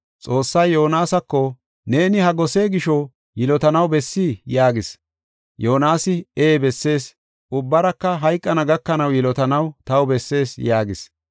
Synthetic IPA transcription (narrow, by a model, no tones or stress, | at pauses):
t͡sʼo̞ːsːɐjːonaːsɐkːɔ | ne̞ːnɪhɐɡɔse̞ːɡɪʃɔ | jɪlɔt̪ɐnɐwbɛsːiːjaːɡɪs | joːnaːsɪeːbɛsːe̞ːs | ʊbːɐɾɐkːɐɦɐjkʼːɐnɐɡɐkːɐnɐwjɪlɔt̪ɐnɐwt̪ɐwbɛsːe̞ːsjaːɡɪs